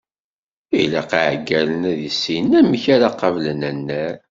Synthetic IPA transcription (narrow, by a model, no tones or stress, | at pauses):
ilæ̰qiʕɡːælənæðisːinæməçaɾaqɑvlənænːæɾ